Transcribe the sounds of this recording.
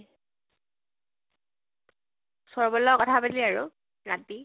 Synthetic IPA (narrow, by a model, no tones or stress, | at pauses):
sɔɹbɔlɔkɔtʰabaliaɹʊ | nati